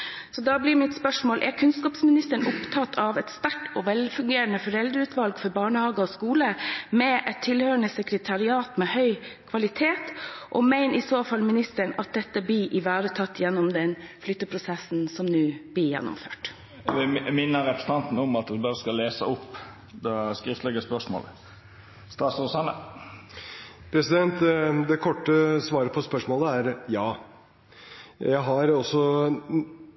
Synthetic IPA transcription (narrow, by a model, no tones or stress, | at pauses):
sɔd̪ɑːblɪɾmɪt̪spœʂmoːlʔɛɾkʰʉnskɑːpsmɪnɪst̪əɳʊpt̪ʰɑt̪ʰːɑʋɛt̪st̪æʈːɔʋɛlfʉŋɡeːɾənəfɔɾɛld̪əɾʉːt̪ʰʋɑlɡfɔɾbɑːɳəhɑːɡəɔskuːləmɛʔɛt̪ʰːɪlhøːɾəɳəsɛkɾət̪ʰɑɾɪɑːt̪mɛhœʏkʰʋɑlɪt̪ʰeːt̪ʔɔ̰mæɪnɪsoːfɑlmɪnɪst̪əɳɑt̪̚d̪ɛt̪ːəblɪʔɪʋæːɾət̪ʰɑt̪ːjɛnːʊmd̪ɛnflʏt̪ːəpʰɾʊsɛsn̩sɔmnʉːblɪjɛ̰nːʊ̰mføːʈ | ʋɪmɪnːəɾɛpɾəst̪ʰɑnt̪n̩ɔmɑt̪ʋɪbɑɾəskɑleːsə̰ʊpː | d̪ɛskɾɪft̪lɛɡəspœʂmo̰ːl | st̪ɑːsosɑnə̰ | pʰɾɛsɪd̪ɛnt̪d̪ɛkʰɔʈːəsʋɑːɾəpʰɔspœʂmoːləæɾjɑː | jæɪɦɑɾɔsɔ